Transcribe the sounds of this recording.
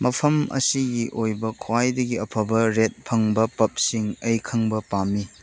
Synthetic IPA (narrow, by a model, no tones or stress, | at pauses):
mɐpʰɐmɐ̰siɡiʔojbɐkʰwajdɐɡiɐpʰɐbɐɾet̚pʰɐŋbɐpɐp̚siŋɐjkʰɐŋbɐpamːi